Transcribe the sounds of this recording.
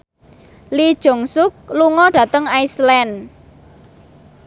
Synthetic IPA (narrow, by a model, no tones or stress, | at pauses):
lid̥ʒ̥o̤ŋsʊk̚luŋɔɖ̥ä̤t̪əŋajslɛn